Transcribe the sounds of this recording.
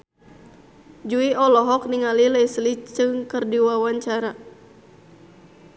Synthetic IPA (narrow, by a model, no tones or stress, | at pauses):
d͡ʒuiɔlɔɦɔk̚niŋalilɛjslit͡ʃɨŋkərdiwawaɲt͡ʃaɾa